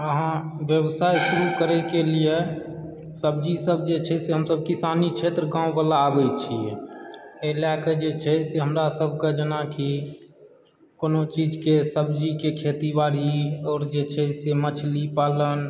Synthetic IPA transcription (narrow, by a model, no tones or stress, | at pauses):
əɦãbjəbsajʃuɾukəɾɛkelije | səbd͡ʒisəbʱd͡ʒet͡ʃʰɛseɦəmsəb̚kisanit͡ʃʰet̪ɾəɡãubalaːbɛt͡ʃʰie | elaked͡ʒet͡ʃʰɛseɦəmɾasəbʱked͡ʒənaki | konot͡ʃid͡ʒkesəbd͡ʒikekʰet̪ibaɾiɔːɾd͡ʒet͡ʃʰɛsemət͡ʃʰlipalən